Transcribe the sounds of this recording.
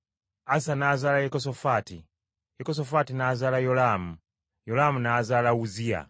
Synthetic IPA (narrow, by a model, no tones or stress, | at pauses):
asanaːzaːlajekos̬ofaːtḭ | jekos̬ofatinazaːlajolaːmu | jolamunaːzaːlauzija̰